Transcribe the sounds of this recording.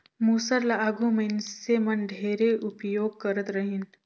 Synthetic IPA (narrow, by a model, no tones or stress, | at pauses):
muːsəɾlaaːɡumənsemɐnɖʱeːɾeʔʊpjoːɡ̚kɐɾət̪ɾəɦin